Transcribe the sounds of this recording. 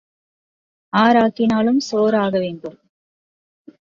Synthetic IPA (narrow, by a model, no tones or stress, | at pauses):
aːɾaːkːɪnaːlɯmsoːɾaːɣɐʋeːɳɖɯm